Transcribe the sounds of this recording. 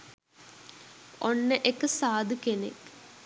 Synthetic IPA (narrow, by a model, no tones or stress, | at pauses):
oɳːɨʔekːɨsaːd̪ɨkenḛk